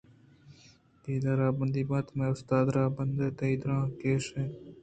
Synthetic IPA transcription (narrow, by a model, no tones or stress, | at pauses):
d̪̥iːd̪aːɾaːbɐnd̪iːbaːt̪mẽːʊst̪aːd̪ɾaːbɐnd̪eːt̪ɐiːd̪ɾãːkeːʂẽː